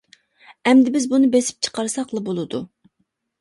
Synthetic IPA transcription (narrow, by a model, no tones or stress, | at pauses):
ɛmd̪ɪbɪzbunɨbesɪ̥p̚t͡ʃʰə̥qɑɾsɑqlˠɨbolˠɨd̪u